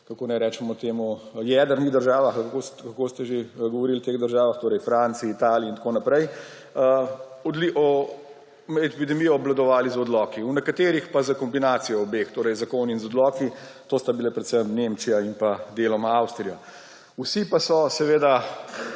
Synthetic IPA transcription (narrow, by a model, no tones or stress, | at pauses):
kakoːnɛjɾɛːt͡ʃɛmɔt̪eːmujɛːd̪əɾniɣd̪əɾʒaːʋaxkokakoːst̪ɛʒeɡɔʋɔɾilt̪eːɣd̪əɾʒaːʋaxt̪oːɾɛjfɾant̪siːt̪aːliːnt̪konapɾɛj | ə | ɔd̪liʔɔ | ɛpid̪ɛmijɔːblad̪ɔʋaːlizɔd̪lɔːkiunɛkat̪eːɾixpazakɔmbinaːt̪sijɔːbext̪oːɾɛjzakoninzɔd̪lɔːkit̪oːst̪abilepɾɛt̪səmnemt͡ʃijaimpad̪elɔmaawst̪ɾija | usipasɔsɛʋeːd̪a